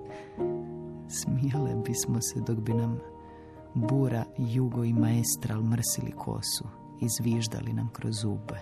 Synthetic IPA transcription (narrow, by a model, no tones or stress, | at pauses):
smijalebismosed̪oɡbinam | buːɾajuɡoimaest̪ɾalmr̩silḭkʰo̞̰ːsu | izʋiːʒd̪a̰linamkɾozuːbe